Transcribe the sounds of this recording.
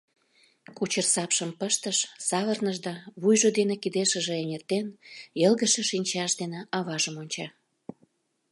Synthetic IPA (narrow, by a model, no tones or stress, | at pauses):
kut͡ɕərsɑpʃəmpəʃt̪əʃsɑβərnəʒd̪ɑβujʒod̪enekid̪eʃə̆ʒĕenʲert̪enjəlɣəʃə̆ʃinʲt͡ɕɑʃd̪eneʔɑβɑʒəmonʲt͡ɕɑ